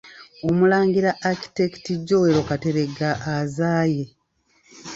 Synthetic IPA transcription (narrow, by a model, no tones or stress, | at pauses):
omulaːŋɡiɾaʔːki̥teki̥tiɟːo̞weɾo̞kate̞ɾe̞ɡaʔːzaːje̞